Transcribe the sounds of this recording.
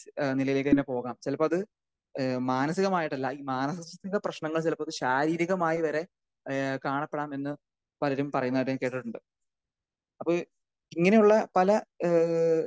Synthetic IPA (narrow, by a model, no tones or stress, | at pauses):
nilɐjilɐkːɐðinepo̞ːɣaːmt͡ɕelɐpːɐɐðɨ | maːnɐsiɣɐmaːjiʈːɐlːɐiːmaːnɐsɐsɐt̪ːɐŋɡɐprɐɕɳɐŋːɐɭt͡ɕelɐpːɐðɨɕaːɾiːɾiɣɐmaːjiʋɐɾe̞ | kaːɳɐpːeɽaːme̞nːɨ | pɐlɐɾumpɐrɐjunːɐʋɐɾemke̞ːʈːiʈːuɳɖɨ | ɐpːo | iŋːɐne̞juɭːɐpɐlɐ